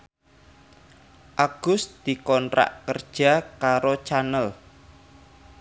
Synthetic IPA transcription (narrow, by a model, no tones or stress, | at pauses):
ʔaɡ̥ʊst̪d̪̥i̤kɔntɾa̰ʔkərd̥ʒ̥a̤kaɾot͡ʃanəl